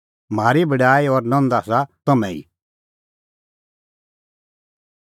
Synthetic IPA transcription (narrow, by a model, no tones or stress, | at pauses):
m̤aːɾibɐɖaːiɔɾnɔ̃nd̪aːsat̪ɐmɛ̃ḭ